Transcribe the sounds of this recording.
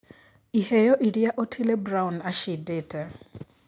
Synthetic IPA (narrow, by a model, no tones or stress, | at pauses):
ihɛjɔʔiɾijaʔotʰilɛbraʊnaʃideːtɛ